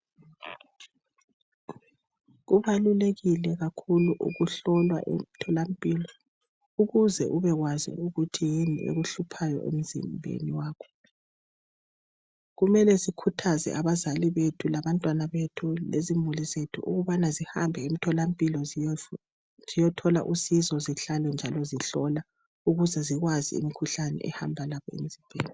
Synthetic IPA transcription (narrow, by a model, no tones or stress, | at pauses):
ɣuβaluleɣilɛɣakʰuluʔṵɣuɬɔlwa̰ʔḛm̩tʰɔlampʼiːlɔ | uɣuzɛʔuβɛɣwazḭuɣutʰijinḭʔḛɣuɬupʰajɔ̰ʔḛm̩zḭmbʱḛniwaːkʰɔ̥ | ɣumɛlɛzikʰutʰazɛ̰ʔaβazaliβetʰulaβantʼwanaβetʰulezimulizetʰuʔṵɣuβanaziha̰mbʱɛem̩tʰɔlampʼilɔ | zijɔtʰɔlaʔusizɔziɬalɛnd͡ʒʱalɔziɬɔla | uɣuzɛziɣwazḭḭmikʰuɬanɛ̰ʔɛ̰hambʱalaβɔḛm̩zʱimbʱḛːni